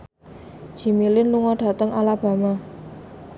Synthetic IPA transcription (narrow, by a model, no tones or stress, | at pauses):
d̥ʒ̥i̤milɪnluŋɔɖ̥a̤t̪əŋalab̥a̤ma